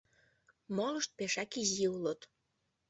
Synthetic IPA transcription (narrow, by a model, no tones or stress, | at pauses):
moləʃt̪̚peʃɑkiziulot̪